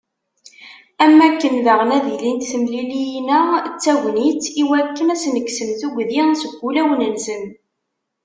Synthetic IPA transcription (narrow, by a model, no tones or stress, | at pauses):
æmːækːənðəʁənæðilint̪θəmlilijnæt͡sːæʝnit͡siwækːənæsnəkːsəmθuɡʷðinsəɡʷːulæwnənsən